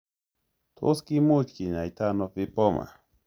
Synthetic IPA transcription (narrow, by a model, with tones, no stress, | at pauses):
tʰo̰˦ski˦mu˦t͡ʃki˨ɲa˨i˨t̪a˦nɔ˦pi˦pɔ˦ma̰˨